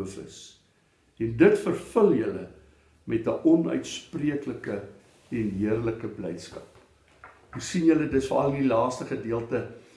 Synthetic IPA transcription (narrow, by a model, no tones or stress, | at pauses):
əfə̰s | ɛndətfərfəljələ | mɛtəʔɔnœ̰ɥtspriəkləkə | ɛnɦiərləkəblɛjtskɐp | usinjələdəsvɑ̰ːrəndilɑːstəχədiəlˠtə